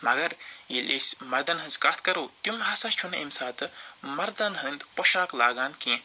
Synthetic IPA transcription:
mɐɡɐɾjelʲʔesmɐɾd̪ɐnɦɨ̃nzkaːt̪̚ʰkɐɾuːt̪jumɦaːsast͡ʃʰunɐ̰ʔimsaːt̪ɨmɐɾd̪ɐnɦɨnd̪poʃaːklaːɡaːnkẽ

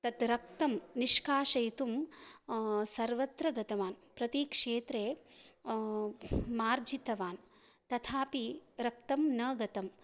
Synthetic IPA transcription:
t̪ɐt̪ɾɐk̚t̪ɐmniʃkaːʃɐjt̪um | sɐɾʋɐt̪ɾɐɡɐt̪ɐʋaːnpɾɐt̪ikʂeːt̪ɾeː | maːɾd͡ʒit̪ɐʋaːn | t̪ɐt̪ʰaːpiɾɐk̚t̪ɐmnɐːɡɐt̪ɐm

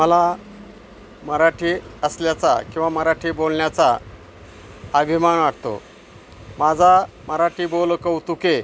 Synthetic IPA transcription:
məla | məɾaʈʰiːəsljat͡sa̰kĩw̃ʋaməɾaʈʰiːbolɳjat͡sa | əbʱimanʋaʈʰt̪o̰ | mad͡zʱa | məɾaʈʰiːbolkəwt̪uke

